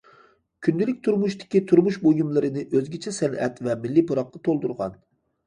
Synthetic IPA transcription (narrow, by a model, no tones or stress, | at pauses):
kʲʰynd̪ɪlɪkʲt̪ʰuɾmuʃt̪ɪ̥kʲit̪ʰuɾmuʃbojumlˠɨɾɨnɪʔøzɡʲet͡ʃʰɛsɛnɛ̰t̪vɛmɪlːipʰoɾɑqːɑt̪ʰolˠd̪uɾʁɑ̰n